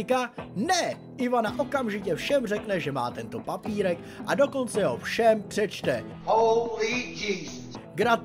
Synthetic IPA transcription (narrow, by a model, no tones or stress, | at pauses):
ɪkanɛ | ʔɪvanaʔo̞kamʒɪcɛfʃɛmrɛknɛʒɛma̰ːt̪ɛnt̪o̞papiːɾɛk | ʔado̞ko̞nt͡sɛɦofʃɛmpr̥ɛt͡ʃt̪ɛ | holid͡ʒɪstɡɾat